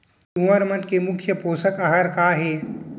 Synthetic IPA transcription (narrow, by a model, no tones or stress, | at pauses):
t̪uəɾmɐnkemʊkʰjəpoːsəkɐɦəɾkaːɦeː